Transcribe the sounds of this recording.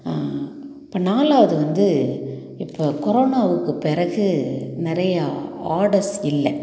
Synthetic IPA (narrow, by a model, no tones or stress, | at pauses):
ɪpːɐːnaːlaːʋɐðɯʋɐnd̪ɯ | ɪpːokɔɾoːnaːʋɯkːɯpɪɾɐɣɯnɪɾɐjɐaːɾɽɐɾsɪlːɛ